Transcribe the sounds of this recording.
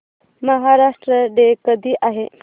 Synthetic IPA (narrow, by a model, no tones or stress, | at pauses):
məɦaɾaʂʈɾəɖekəd̪ʱiːʔaɦe